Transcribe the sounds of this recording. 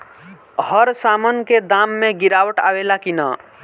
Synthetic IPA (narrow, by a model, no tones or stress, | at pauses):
həɾsamənked̪amːeɡiɾawəʈa̰welakinə